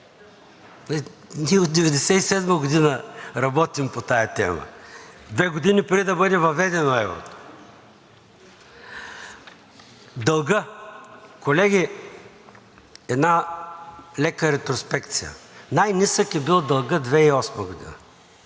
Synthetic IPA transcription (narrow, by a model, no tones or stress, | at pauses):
ɛniɛot̪̚d̪ɛvɛd̪ɛsɛisɛd̪məɡod̪inəɾɐbɔt̪impot̪ajɐt̪ɛ̰mə̰d̪vɛɡod̪inipɾɛd̪id̪ɐbɤd̪ɛvɐvɛd̪ɛnoɛvɾo̰t̪o̥ | d̪ɐlˠɡə | kolɛɡʲi | ɛd̪na | lɛkəɾɛt̪ɾospɛkt̪sijə̰najnʲisəkɛbilˠd̪ɐlˠɡəd̪vɛiɔsməɡod̪ḭnə̰